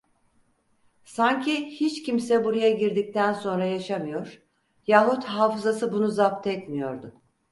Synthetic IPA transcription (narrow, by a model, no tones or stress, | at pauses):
saɲcʰihit͡ʃcʰimsɛbuɾajaɟiɾd̪ic̚t̪ʰænso̞nɾajaʃamɯjo̞ɾ̥ | jaːɦut̪haːfɯzasɯbunuzap̚t̪ʰɛt̪mijo̞ɾd̪ʊ